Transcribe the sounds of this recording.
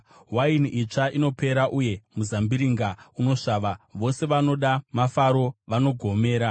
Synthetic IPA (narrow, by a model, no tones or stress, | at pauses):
wainit͡ʂaʔino̞pe̞ɾaʔuje̞muzambiɾiŋɡauno̞ʂaːʋaʋo̞se̞ʋano̞ɗamafaɾo̞ʋano̞ɡʱo̞me̞ːɾa